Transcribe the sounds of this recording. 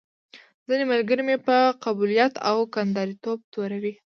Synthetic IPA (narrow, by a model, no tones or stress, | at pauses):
zinemalɡəɾemepəqabulijat̪a̰wkand̪ɑɾit̪ob̚t̪oɾawi